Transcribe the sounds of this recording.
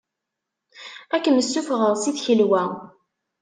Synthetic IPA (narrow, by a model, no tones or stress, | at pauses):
ækːənəsːufʁəʁsiθçəlwæ